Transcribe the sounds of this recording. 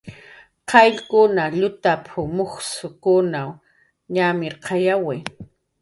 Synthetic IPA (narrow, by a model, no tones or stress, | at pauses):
qʰɑjʎkʊnaʎʊt̪apʰʊmoχsʊkʊnaw | ɲamɪɾqʰɑjawɪ